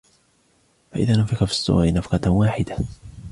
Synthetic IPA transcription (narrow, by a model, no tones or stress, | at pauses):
faʔɪðaːnʊmfɪkafi̥sˤːʊ̰ʔa̰ːʔnafqɑwaːħɪd̪a